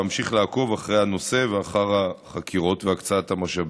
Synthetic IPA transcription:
amʃiχlaako̞vaχʁejhano̞se̞veaχaʁaχakʰiʁo̞tveakt͡saat̪hamaʃab

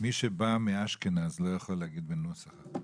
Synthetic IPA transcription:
miʃebamiaʃkenaːzlojaχoleaɡid̪benosaχa

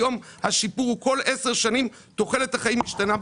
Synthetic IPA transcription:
o̞mhaʃipuʁko̞le̞se̞ʁʃanim | t̪o̞χe̞lethaχaimiʃtana

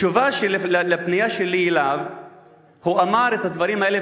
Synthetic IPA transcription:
uvaʃelellepnijaʃelielav | huamaʁet̪had̪vaʁimae̞le

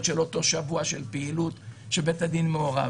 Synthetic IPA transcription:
tʃelo̞to̞ʃavuaʃe̞lpeilut̪ʃebe̞tad̪inmeoʁa̰

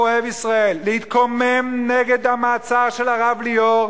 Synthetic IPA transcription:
oevisʁaelːehit̪kʰomemneɡed̪hamaːt͡saʁʃelaʁavlioʁ

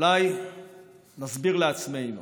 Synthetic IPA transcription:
laj | nazbiʁleat͡smejm

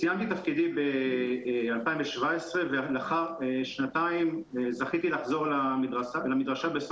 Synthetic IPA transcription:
sijamt̪it̪afkid̪ibe | alpaimveʃvaesʁevelaχaʁeʃnat̪aimzaχit̪ilaχzo̞ʁlamid̪ʁaalamid̪ʁaʃabes

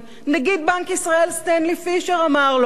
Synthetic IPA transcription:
naɡid̪̚bankisʁaelst̪enlifiʃeʁamaʁl

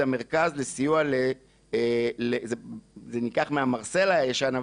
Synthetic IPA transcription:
ame̞ʁkazlesijuale | lezezenikaχmeamaʁse̞lajaʃana

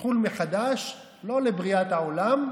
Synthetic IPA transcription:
χulmeχad̪aʃ | lo̞lebʁiat̪hao̞lam

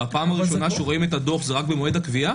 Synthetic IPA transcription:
apaːmaʁiʃo̞naʃeʁo̞imet̪ad̪o̞χzeʁakbemoe̞dakvia

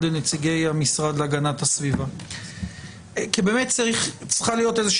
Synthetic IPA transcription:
lenet͡siɡe̞jamisʁad̪leaɡanathasviva | kibeːme̞tt͡saʁiχt͡sʁχalijo̞te̞zeʃ

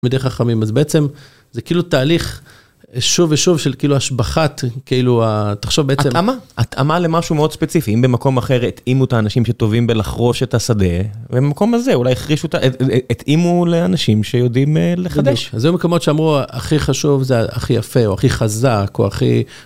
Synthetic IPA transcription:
mid̪ejχaχamimazbeet͡se̞m | zekiiːlut̪aːliχ | ʃuveʃuvʃelkiiluaʃbaχatkeiluat̪aχʃo̞vbeet͡semamaat̪ʔa̰male̞maʃumeo̞d̪spe̞t͡sifiimbemako̞maχe̞ʁet̪imut̪aːnaʃimʃe̞t̪o̞vimbe̞laχʁo̞ʃe̞t̪asad̪e̞veamako̞mazeulajeχʁiʃut̪aʔet̪imuleanaʃimʃejo̞d̪imleχad̪eʃazjomekomo̞tʃeamʁua̰χiχaʃuvzea̰χijafeoaχiχazako̰a̰χḭ

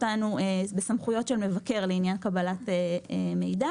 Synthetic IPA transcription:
tanuebesamχujo̞tʃelme̞vake̞ʁleinjankabalateeme̞jda

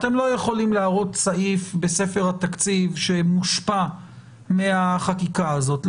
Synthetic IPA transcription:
at̪e̞mlo̞jeχo̞limlaːʁo̞tsaʔifbe̞se̞fe̞ʁhat̪akt͡sivʃe̞muʃpa | meaχakikaːzo̞t

